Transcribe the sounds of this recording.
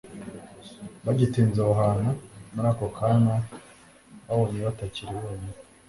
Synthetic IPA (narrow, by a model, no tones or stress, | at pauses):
βaɟitiːnzouɦaːnamaɾakokʰana | βaβoniβataciɾiwoːje